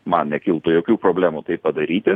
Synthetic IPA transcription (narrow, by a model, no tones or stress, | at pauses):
mɐnnʲɛkʲɪlˠt̪ʊjoːkʲuːpɾoːbʲlʲæːmut̪ɐɪppɐd̪ɐɾʲiːt̪ʲɪ